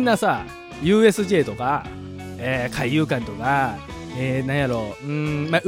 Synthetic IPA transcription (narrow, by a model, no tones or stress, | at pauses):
nːasa | jɯ̟ːe̞sɨʑe̞ːt̪o̞ka | eːkʰaijɯ̟ːkãnt̪o̞ka | eːnãɰ̃jaɾo̞ːɯ̟̃ma